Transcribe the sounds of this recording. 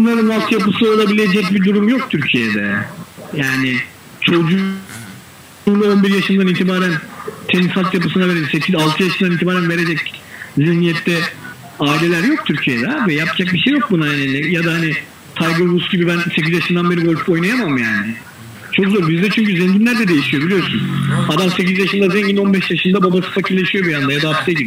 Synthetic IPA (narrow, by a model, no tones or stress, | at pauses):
onlˠaɾɯnvalˠt̪ʰjapɯsɯo̞lˠabilʲe̞d͡ʒɛcbid̪uɾumjo̞k̚t̪ʰyɾcʰijɛd̪ɛjaːnɪ | t͡ʃʰo̞d͡ʒu | nd̪ao̞nbiɾjaʃɯnd̪aniːt̪ʰibaːɾænt̪ʰenisalt̪japɯsɯnave̞ɾed͡ʒɛcsecʰizalˠt̪ʰɯjaʃɯmd̪aniːt̪ʰibaːɾænve̞ɾed͡ʒɛczihnijɛt̪ːɛ | aːilʲe̞lʲæɾjo̞k̚t̪ʰyɾcʰijɛd̪ɛvɛjap̚d͡ʒak̚biʃejːo̞k̚bunaenɛnːɛjad̪ahanɪ | t̪ʰajɡuɾbusɟibibænsecʰizjaʃɯmd̪anbe̞ɾibot͡ʃpo̞jnajamamjaːnɪ | t͡ʃʰo̞kzo̞ɾbizd̪ɛt͡ʃʰyɲcyzɛɲɟimlʲæɾd̪ɛd̪e̞jiʃijo̞bilʲijo̞ɾsunad̪amse̞cizjaʃɯnd̪azɛɲɟimo̞nbɛʃjaʃɯnd̪ababasɯ̥facʰiɾlːʲe̞ʃijo̞bijand̪ajad̪aapst̪ʰɛɟib